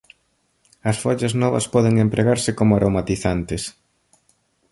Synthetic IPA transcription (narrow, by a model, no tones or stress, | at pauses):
ɐsfɔʎɐznɔβɐ̰spɔðeŋempɾʔeɣaɾsɪkomʊaɾʔomat̪iθant̪ɪs